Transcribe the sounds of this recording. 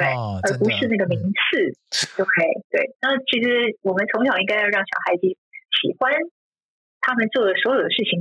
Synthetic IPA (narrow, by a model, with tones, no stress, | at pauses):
we˥˩ɪə˞˧˥pu˧˥ʂɻ̩˥˧na˥˩ɡə˩mi˧˥ŋt͡s̩ʰ˥˩jo˥˩ʊkʰɤ˧˥˩ḭ˨˩˨t̪we˥˩ɪna˥˩t͡ɕʰi˧˥ʂɻ̩˧˥wɔ˨˩mə˦nt͡sʰʊ˧˥ŋɕjɑ˨˩˦ŋi˥˧ŋka˥ɪjʊɻɑ˥˩ŋɕjɑ˨˩ʊxa˧˥ɪt͡ɕi˧˥ | ɕi˨˩xwa˥n | t̪ʰa˥mə˨nt͡swɔ˥˩d̪ə˩swɔ˧˥jo˨˩ʊd̪ə˦ʂɻ̩˥˩t͡ɕʰi˨˩ŋ